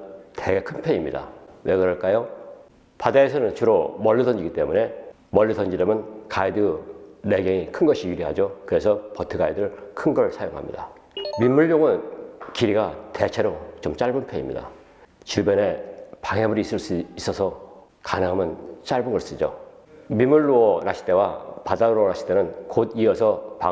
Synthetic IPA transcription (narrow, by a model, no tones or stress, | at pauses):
tʰeɡekʰɯnpʰeimɲida̰we̞ɡɯɾʌɭk͈ajo | padaesʰʌnɯnt͡ɕɯɾomʌɭːɯdʌnd͡ʑiɡit͈e̞mune̞ | mʌɭːidʌnd͡ʑiɾemɯnkaidɯne̞ɡeŋikʰɯnɡʌɕʰiiɾiɦad͡ʑokɯɾe̞sʰʌpʌtʰɯɡaidɯɾɯɭkʰɯnɡʌɭsʰajoŋɦa̰mɲḭda | mimːuɭːjoŋɯnkiɾiɡate̞t͡ɕʰe̞ɾot͡ɕʌmt͡ɕ͈aɭbɯnpʰeimɲḭda̰ | t͡ɕiɭbene̞paŋebɯɾiːs͈ɯɭs͈uis͈ʌsʰʌ | kanɯŋɦamjɯnt͡ɕ͈aɭbɯnɡʌɭs͈id͡ʑo̰ | mimːuɭːoʌnaɕʰi̥t͈e̞wapadaɯɾonaɕʰi̥t͈enɯnkodiʌsʰʌpa